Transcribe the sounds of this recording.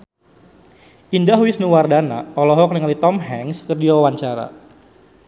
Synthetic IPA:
ʔindahwisnuwardana̰ɔlɔɦɔk̚niŋalit̪ɔmɦɛŋskərd͡ʒiawawaɲt͡ʃaɾa̰

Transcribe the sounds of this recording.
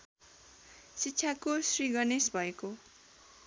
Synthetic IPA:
sitːsʰakosriɡʌnesbʱʌeko

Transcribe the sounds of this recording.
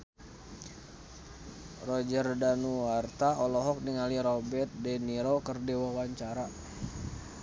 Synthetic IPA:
rɔd͡ʒərdanuwart̪aɔlɔɦɔk̚niŋaliɾɔbɛt̪̚dɛniɾokərdewawaɲt͡ʃaɾa

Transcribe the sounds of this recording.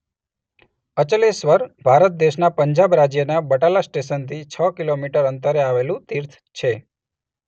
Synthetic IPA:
ət͡ʃəlesʋəɾbʱaɾət̪̚d̪eʃnapəɲd͡ʒabɾad͡ʒjənabəʈalasʈeʃənt̪ʰit͡ʃʰəkilomiʈəɾənt̪əɾeaʋelũt̪iɾt̪ʰ | t͡ʃʰe

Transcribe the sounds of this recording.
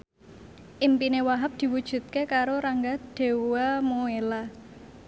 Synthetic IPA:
ʔimpinewaɦəp̚d̪̥i̤wud̥ʒ̥ṳt̪̚kekaɾoɾaŋɡad̪̥e̤wamoela

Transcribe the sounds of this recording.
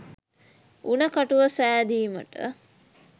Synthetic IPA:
unəkaʈuʋəsæːd̪iːmə̰ʈə̰

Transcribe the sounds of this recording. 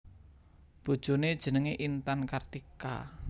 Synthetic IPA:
b̥o̤d̥ʒ̥o̤ned̥ʒ̥ə̤nəŋeʔint̪ankart̪ika̰

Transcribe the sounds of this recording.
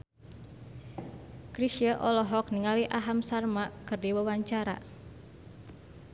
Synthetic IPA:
kɾisiəʔɔlɔɦɔk̚niŋaliʔaɦamsarmakɨrdiwawaɲt͡ʃaɾa̰

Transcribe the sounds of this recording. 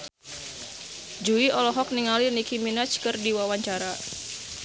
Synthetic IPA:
d͡ʒuiɔlɔɦɔk̚niŋalinikiminat͡ʃkɨrdiwawaɲt͡ʃaɾa

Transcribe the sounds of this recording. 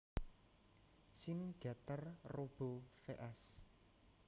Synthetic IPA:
sinɡ̥a̤t̪ərrob̥o̤feʔɛs

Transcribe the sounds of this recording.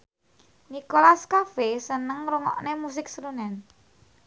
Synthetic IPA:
nikolaskafesənəŋɾuŋɔ̰ʔnemus̬ɪksəɾunɛn

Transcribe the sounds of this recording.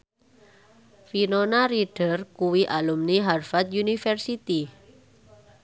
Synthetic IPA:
finonaɾiɖ̥ə̤rkuwiʔalumniɦarfat̪̚junifɛrsit̪i

